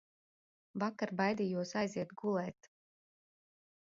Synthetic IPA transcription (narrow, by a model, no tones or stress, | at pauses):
vakaɾbajd̪ijuɔsajziɛt̪̚ɡulˠɛːt̪